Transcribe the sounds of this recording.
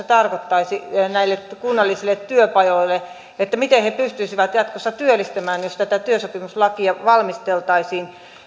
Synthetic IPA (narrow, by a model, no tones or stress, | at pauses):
et̪ɑrkot̪ːɑisinæilːetkunːɑlːisilːˑet̪tyøpɑjoilːe | et̪ːæmit̪ehepyst̪yisiʋæt̪jɑt̪kosːɑt̪yølːist̪æmæːnjost̪æt̪æt̪yøsopimuslɑkiɑʋɑlmist̪elt̪ɑisiːn